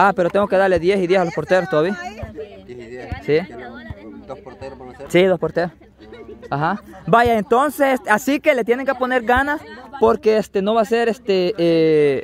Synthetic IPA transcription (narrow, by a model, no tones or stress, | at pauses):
ape̞ɾot̪eŋɡo̞keðaɾle̞ðjesiðjesalospo̞ɾt̪eɾost̪oaβia | si | sid̪ospo̞ɾt̪eɾos | ahabaʝaent̪o̞nsesest̪easike̞let̪̬je̞ne̞ŋkepo̞ne̞ɾɡanaspo̞ɾkeest̪eno̞βaseɾest̪ee